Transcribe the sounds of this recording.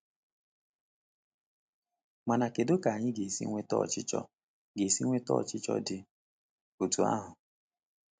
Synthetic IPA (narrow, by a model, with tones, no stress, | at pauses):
ma˨na˨ke˨do˦ka˨a˨ɲɪ˦ɡe˨sḭ˦ŋʷe˦tɔ̰˦˨t͡ʃɪ˦t͡ʃɔ̰˦ | ɡe˨si˦ŋʷe˦tɔ̰˦˨t͡ʃɪ˦t͡ʃɔ̰˦dɪ˨ | o˨tu˨a̰˦ɦʊ˨